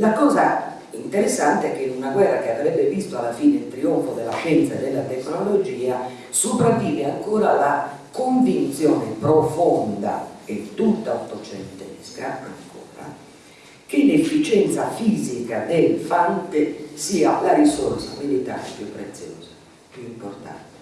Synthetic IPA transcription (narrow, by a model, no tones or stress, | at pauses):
lakɔːza | int̪ɛɾɛsːant̪eɛkːenunaɡwɛrːakeavɾɛbːevist̪oalːafiːneilt̪ɾioɱfod̪ɛlːaʃɛnt̪saɛd̪ːɛlːat̪ɛknolod͡ʒiːa | supɾavːiːveaŋkɔːɾalakoɱvint̪sjɔːnepɾofɔnd̪a̰et̪ːut̪ːaot̪ːot͡ʃɛnt̪eskɾapːea̰ŋkʰɔ̰ːɾa̰ | k̟elefːit͡ʃɛnt̪safiːzikad̪elfant̪esiːalaɾisorsa̰milit̪a̰ːɾepjupːɾet̪sːjɔ̰ːz̥a | pjuimport̪a̰nt̪e̥